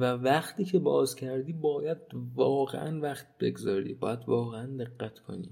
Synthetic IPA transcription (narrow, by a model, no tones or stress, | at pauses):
vævæχt̪ʰiːcʰebɒ̰ːzcʰæɾd̪iːbɒːjæd̪̚vɒːɣḛʔæ̰nvæχt̪b̥e̞̰ɡzɒːɾḭːbɒ̰ːjæd̪vɒːɣeænd̪e̞ɣːæt̪ʰkʰo̞̰nḭː